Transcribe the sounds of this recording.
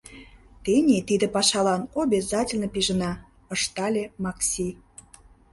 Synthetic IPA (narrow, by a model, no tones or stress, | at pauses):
t̪enʲet̪id̪ĕpɑʃɑlɑnobʲezɑtʲelʲnəpiʒə̆nɑ | ə̆ʃt̪ɑlʲemɑksʲi